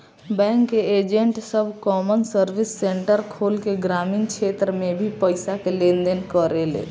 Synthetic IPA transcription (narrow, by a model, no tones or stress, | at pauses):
bɛ̃ːŋkːeed͡ʒəɳʈsəbʱkɔːmənsəɾbisːeɳʈəɾkʰolkeɡɾaːmɪnkt͡ʃʰet̪ɾəmebʱipəɪsakelẽnd̪enkəɾelḛ